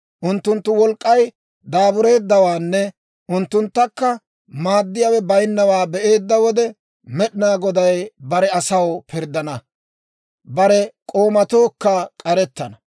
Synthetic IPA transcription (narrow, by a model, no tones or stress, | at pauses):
ʔʊnt̪ːʊnt̪ːʊwɔlkʼːɐj | d̪aːbʊɾe̞ːd̪ːɐwaːnːɛ | ʔʊnt̪ːʊnt̪ːɐkːɐ | maːd̪ːɪjaːwɛbɐjnːɐwaːbɛʔe̞ːd̪ːɐwɔd̪ɛ | mɛɗɪnaːɡɔd̪ɐjbɐɾɛɐsɐwpʰɪɾd̪ːɐnɐ | bɐɾɛkʼo̞ːmɐt̪oːkːɐkʼɐɾɛt̪ːɐnɐ